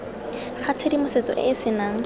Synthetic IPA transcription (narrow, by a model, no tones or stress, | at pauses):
χat͡sʰedimʊset͡sɔ̰ʔɪ̰ːsɪnaːŋ̩